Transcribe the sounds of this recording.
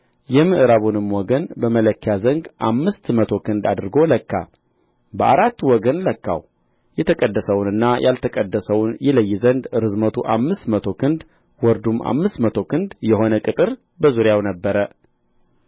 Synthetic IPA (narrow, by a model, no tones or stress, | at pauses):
jɛmɨʔɨɾaβunɨmwɔɡənbəmələkːjazəŋɡʔamːɨst̪mət̪ʰo̞kʰɨnd̪ad̪ɾɨɡo̞ləkːa̰ | bəʔa̰ɾat̪ːwɔɡənləkːa̰w | jɛt̪ʰəkʼəd̪ːəsəwnɨnːajʔalt̪ʰəkʼəd̪ːəsəwnjɛləjːɪzənd̪ɾɨzmət̪ʰuʔamːɨst̪mət̪ʰo̞kʰɨnd̪ | wɔɾd̪umʔa̰mːɨst̪mət̪ʰo̞kʰɨnd̪jɛho̞nəkʼɨt̪ʼɨɾ | bəzuɾjawnəbːəɾə